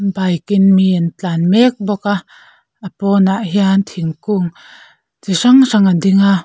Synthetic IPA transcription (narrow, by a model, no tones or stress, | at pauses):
bajkinmiant͡ɬanmɛk̚bɔka | əpɔːnaʔɦiant̪ʰiŋkuŋ | tiʂaŋsaŋadiŋa